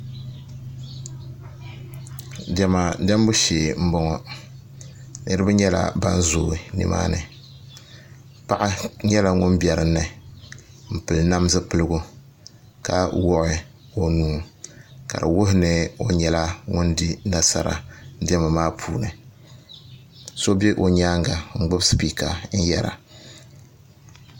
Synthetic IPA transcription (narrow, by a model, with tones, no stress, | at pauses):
dɛ˨ma˨da˦m˦bu˦ʃeː˨m̩˦bɔ˦ŋɔ˨ | nɨ˦ɾɨ˦ba˦ɲɛ˦la̰˨ba̰˦n˦zoː˨˦˨nɨ̰˨mʔa̰ː˦nɨ˨ | pa˨ʔa˦ɲɛ˦la˨ŋʊ˦nbʲɛ˨ɾɨ˨nːɨ˨ | m̩˨pɨ˨lna˦m˦zɨ˦pɨ˦lɨ˦ɡʊ˦ | ka˨wɔ˦ʔɪ˦ | o˦nuː˦ka̰˨ɾɨ̰˨wʊ˦ɦɪ˦nɨ˨o˦ɲɛ˨la˦ŋʊ˦ndi˦na˦sa̰˦ɾa̰˨˦dɛ˦ma˨maː˦pʰuː˨nɨ˨ | so˦be˦ʔo˨ɲaː˦ŋɡa˨ŋ͡m̩˦ɡ͡bɨ˦bspi˨ka˨n̩˦jɛ˦ɾa̰˨